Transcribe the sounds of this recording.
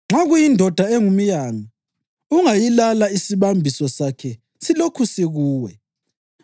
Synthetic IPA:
ŋ͡ǁaɣujindʱɔd̥ʱaeŋumijaːmi | uŋajilalaisiβambʱisɔsakʰɛ | silokʰusiɣuːwɛ̰

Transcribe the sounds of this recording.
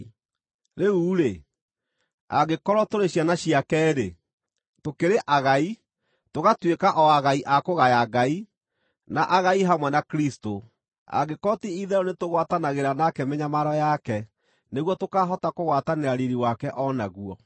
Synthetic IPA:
ɾeuːɾe | a̰ɡekɔɾɔtoɾeɕjanaɕiakɛɾe | tokeɾeʔaɣai | toɣatwekaʔɔaɣaiʔakoɣajaɡai | naʔaɣaiɦamwɛnakɾisto | a̰ɡekɔtiiðɛɾonetoɣwatanaɣeɾanakɛmɛɲamaɾɔjakɛ | neɣwɔtokaɦɔtakoɣwataneɾaɾeɾiwakɛʔɔnaɣuɔ

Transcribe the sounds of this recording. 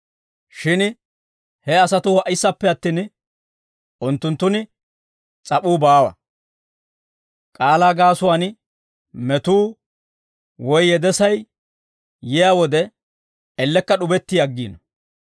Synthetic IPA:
ʃɪn | hɛɐsɐt̪ʊɐʔɪsːɐpːɛɐt̪ːiːn | ʔʊnt̪ːʊnt̪ːʊnɪ | t͡sʼɐpuːbaːwɐ̰ | kʼaːlaːɡaːsʊwaːn | mɛt̪uː | wɔjːɛd̪ɛsɐj | jɪjaːwɔd̪ɛ | ɛlːɛkːɐɗʊbɛt̪ːɪjɐɡːiːnɔ

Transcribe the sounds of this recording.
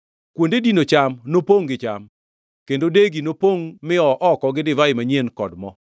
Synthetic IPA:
kwondedinot͡ʃamnopoŋɡɪt͡ʃa̰m | kendodeɡinopoŋmɪɔʔɔkɔɡɪdɪvaɪmaɲjenkɔdmɔ̰

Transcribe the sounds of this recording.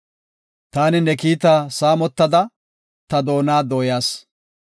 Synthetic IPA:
t̪aːnɪnɛkiːt̪aːsaːmɔt̪ːɐd̪ɐ | t̪ɐd̪o̞ːnaːd̪oːjaːs

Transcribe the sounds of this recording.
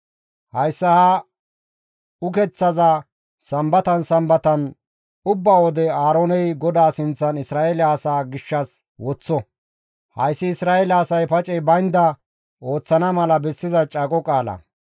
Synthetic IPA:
hɐjsːɐhɐ | ʊkɛt͡sːɐzɐ | sɐmbɐt̪ɐnsɐmbɐt̪ɐn | ʊbːaːwɔd̪ɛaːɾoːnɛjɡɔd̪aːsɪnt͡sːɐnɪsɾaːelaːsaːɡɪʃːɐs | wɔt͡sːɔ | hɐ̰jsːɪɪsɾaːɛlɐːsɐjpɐt͡ʃʼɛbɐjnd̪ɐ | o̞ːt͡sːɐnɐmɐlɐbɛsːɪzɐt͡ʃʼɐkʼɔkʼaːlɐ̰

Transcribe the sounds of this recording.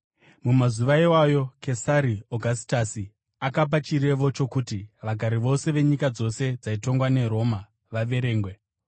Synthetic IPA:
mumazuʋaiwajo̞ke̞saɾioɡʱasi̥tasi | akap̬at͡ʃiɾe̞ʋo̞t͡ʃo̞kutiʋaɡʱaɾiʋo̞se̞ʋe̞ɲikad͡zo̞se̞d͡zaito̞ŋɡwane̞ɾo̞ma | ʋaʋe̞ɾe̞ːŋɡwe̞

